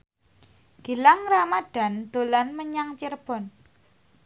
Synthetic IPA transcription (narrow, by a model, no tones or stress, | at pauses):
ɡ̥i̤laŋramaɖ̥a̤nd̪̥o̤lanməɲaŋt͡ʃirb̥ɔ̤n